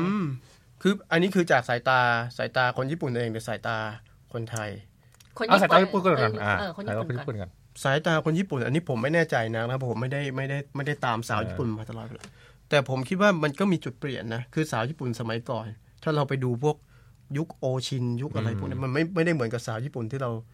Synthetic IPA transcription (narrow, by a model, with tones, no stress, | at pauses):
ʔɯː˧˩m | kʰɯː˧ʔa˧nːiː˦˥kʰɯː˧t͡ɕaː˨˩k̚saː˩˦jt̪aː˧saː˩˦jt̪aː˧kʰo˧njiː˥˩pu˨˩nʔʔeː˧ŋdi˧˩saː˩˦jt̪aː˧ | kʰo˧nt̪ʰa˧j | a˧˨˥saː˨˦j̪aː˧˦i˥pu˨nkːa˧˩nʔaː˨˧a˨˧kɔ˥˨˧iː˦˧pu˨a˧n | saː˩˦jt̪aː˧kʰo˧njiː˥˩pu˨˩nʔa̰˧niː˦˥˩pʰo˩˦ma˥˩jnɛː˥˩t͡ɕa˧jna˦˥k̚na˦˥wɔ˧pʰo˩˦ma˥˩jda˥˩jma˥˩jda˥˩jma˥˩jda˥˩jt̪aː˧msaː˨˩˦wjiː˥˩pu˨˩nmaː˧t̪ʰa˧lɔː˨˩t̪̚e˧la˧˦˩ | t̪ɛː˨˩pʰo˩˦mkʰi˦˥t̪̚waː˥˩ma˧nkɔː˥˩miː˧t͡ɕu˨˩t̪̚pli˨˩ənːa˦˥kʰɯː˧saː˩˦wjiː˥˩pu˨˩nsa˧ma˩˦jkɔː˨˩n | t̪ʰaː˥˩ɾa˧wpa˧jduː˧pʰu˥˩ək̚ | ju˦˥k̚ʔoː˧t͡ɕʰi˧nju˦˥k̚ʔa˧ɾa˧jpu˥˩ni˦˥˩ma˧nma˥˩jma˥˩jda˥˩jm˩˦nka˨˩p̚saː˨˩˦wjiː˥˩pu˨˩nt̪ʰiː˥˩ɾa˧w